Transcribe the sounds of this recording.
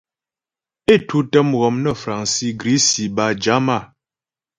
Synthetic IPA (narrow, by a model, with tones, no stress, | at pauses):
e˦˨tʰu˦tə˦mɣɔ˨mnə˦˨fɾa˨ŋsi˦ɡɾi˨˦si˨ba˨d͡ʒa˨˦ma˦˨